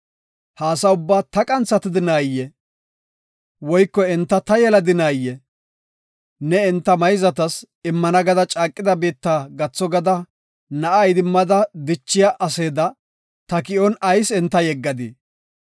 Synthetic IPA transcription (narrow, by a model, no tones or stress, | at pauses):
haːsɐʊbːaːt̪ɐkʼɐnt͡sːɐt̪ɪd̪ɪnaːjːɛ | wɔjkːɔɛnt̪ːɐt̪ɐjɛlɐd̪ɪnaːjːɛ | nɛɛnt̪ːɐmɐjzɐt̪ɐs | ɪmːɐnɐɡɐd̪ɐt͡ʃʼaːkʼːɪd̪ɐbeːt̪ːaːɡɐt͡sːɔɡɐd̪ɐ | nɐʔɐjd̪ɪmːɐd̪ɐd̪ɪt͡ʃːɪjaʔɐseːd̪ɐ | t̪ɐkɪʔɔnɐjsɛnt̪ːɐjɛɡːɐd̪ɪ